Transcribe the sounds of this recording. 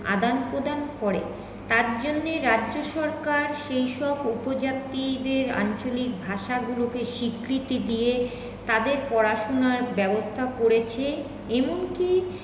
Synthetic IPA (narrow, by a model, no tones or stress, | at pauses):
a̰d̪anpɾod̪ankɔɾḛ | t̪aɾd͡ʑonːeɾaʑoʃɔɾkaɾʃejʃɔbupod͡ʑat̪ːid̪eɾa̰nt͡ɕolik̚bʱaʃaɡulokeʃikɾit̪id̪ije | t̪ad̪eɾpɔɾaʃonaɾbɛbost̪ʰakoɾet͡ɕʰe | eboŋki